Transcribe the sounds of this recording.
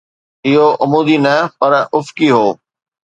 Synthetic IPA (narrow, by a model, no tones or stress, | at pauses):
ɪɦoʔɐmuːd̪inɐpɐɾʊfkiɦoː